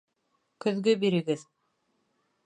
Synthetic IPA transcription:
kɵ̆ðɡɵbiɾɘ̆ɡɘð

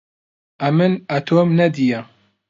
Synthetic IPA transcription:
ɐmɨnɐt̪ʰoːmnɐd̪ijɐ

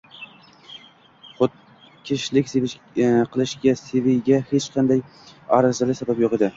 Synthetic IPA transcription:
χʊt̪̚ | kʲʰɪʃlɪkʲse | qʰɨlˠɪʃɡʲasevɪjɡʲahet͡ʃqʰɑnd̪aj | ɒɾazɪlɪsabapjoqed̪ɪ

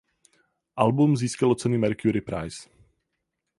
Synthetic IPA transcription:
ʔalbumziːskalot͡sɛnɪmɛɾkjuɾɪpɾa̰js

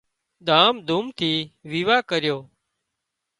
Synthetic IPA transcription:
ɗ̪ʱaːmd̪ʱumt̪ʰiːʋiːʋaːkəɾɪjoː

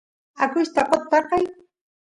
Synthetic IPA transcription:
akʊʃt̪aqot̪ːɑqɑj

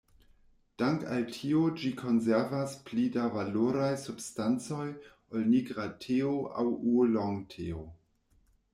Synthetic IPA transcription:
d̥aŋka̰ltʰiod͡ʒikʰo̞nzeɾvasplidavaloɾajsubstant͡so̞j | olniɡɾatʰeoʔa̰wuloŋtʰeo

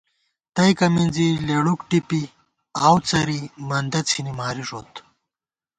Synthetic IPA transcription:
t̪ɐjkɐmind͡zileːɽukʈipi | aːwt͡sɐɾimɐnd̪ɐt͡sʰinimaːɾiʂoːt̪

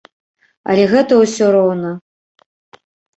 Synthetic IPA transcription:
ɐ̰lʲɛɣɛt̪ɐwsʲɔɾɔwnɐ

